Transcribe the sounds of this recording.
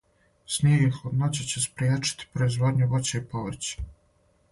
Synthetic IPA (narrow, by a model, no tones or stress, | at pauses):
sniɡixod̪not͡ɕet͡ɕespɾijeːt͡ʂi̥t̪i̥pɾoizʋo̞ːd̪ɲuʋot͡ɕeipoʋɾ̩t͡ɕe̥